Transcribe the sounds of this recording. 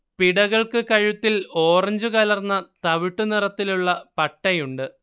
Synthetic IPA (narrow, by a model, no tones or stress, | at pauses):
piɽɐɣɐɭkɨkɐɻut̪ːilo̞ːrɐɲd͡ʑukɐlɐrnːɐt̪ɐʋiʈːunirɐt̪ːiluɭːɐpɐʈːɐjuɳɖɨ